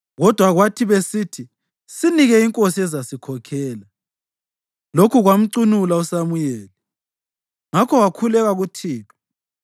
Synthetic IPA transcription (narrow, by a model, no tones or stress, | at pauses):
ɣɔd̥ʱwaɣwatʰiβesiːtʰi | siniɣɛiŋkʼosiɛzasikʰɔkʰɛːla | lokʰuɣwam̩ǀunulausamujɛːli | ŋakʰɔwakʰulɛɣaɣutʰiːtʰɔ̥